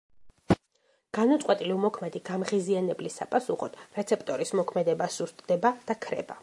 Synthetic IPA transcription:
ɡ̥anat̪sʼqʼwɛt̪ʼiliumɔkʰmɛd̪iɡ̥amʁizianɛblisa̰pʼasuχɔd̪̥ɾɛt̪sʰɛp̚ʰʼt̪ʼɔɾismɔkʰmɛd̪ɛbasust̪ʼd̪ɛbad̪̥akʰɾɛ̰ba̰

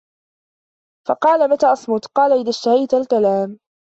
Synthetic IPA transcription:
fɑqɑːlamat̪aːʔɑsˤmʊt̪qɑːlaʔɪðaʃt̪ahajt̪alkalaːm

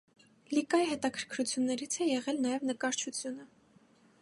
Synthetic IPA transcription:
likɑjiɦɛt̪ɑkʰəɾkʰɾut͡sʰjunːɛɾit͡sʰɛjɛʁɛlnɑjɛvnəkɑɾt͡ʃʰut͡sʰjunə

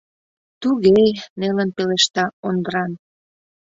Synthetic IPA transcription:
t̪uɣejnelənpeleʃt̪ɑond̪əɾɑn

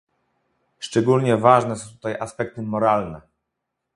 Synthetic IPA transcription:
ʂt͡ʂɛɡulɲɛvaʐnɛsɔ̃w̃t̪u̥t̪ajʔaspɛk̚t̪ɘmɔɾalnɛ

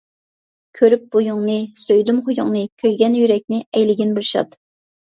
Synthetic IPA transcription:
kʲʰøɾyp̚b̥ujuŋnɨsøjd̪ymχʊjṵŋnɨkʲʰøjɡʲɛnjyɾɛk̚ʲnɪɛjlɪɡʲɪnbɪlʃɑ̰t̪

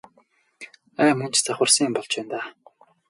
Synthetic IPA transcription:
æːmɵn̥t͡ɕt͡saχə̆rsə̆ŋjɪmpɔɮt͡ɕpæːnt̪aː

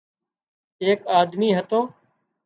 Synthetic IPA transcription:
eːkaːd̪miːɦət̪õː

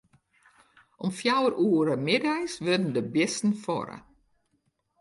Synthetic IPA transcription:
ʔɔmfjawərʔuːəɾəmɪdajsʋødn̩dəbɪstn̩fɔ̰ɾə̰

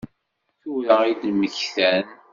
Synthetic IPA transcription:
θuɾəid̪məçθæn

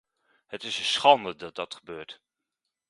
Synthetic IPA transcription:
hətɪsəsχɑndədɑt̚dɑtχəbøːɹt

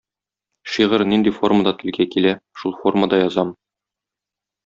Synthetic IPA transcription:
ʃiʁɤɾnind̪ifo̞rməd̪ɑt̪ɘ̆lɡækilæʃulˠfo̞rməd̪ɑjɒzɑm

